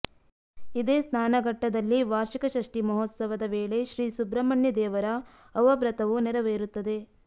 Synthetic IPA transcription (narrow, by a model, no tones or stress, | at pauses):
id̪eːsnaːnɐɡɐʈːɐd̪ɐlːiʋaːɾʃikɐʃɐʂʈimɐɦɔːt̪sɐʋɐd̪ɐʋeːɭe̞ʃɾiːsubɾɐmɐɳjɐd̪ɛːʋɐɾɐː | ʋɐbɾɐt̪ɐʋunɛɾɐʋeːɾut̪ːɐd̪e̞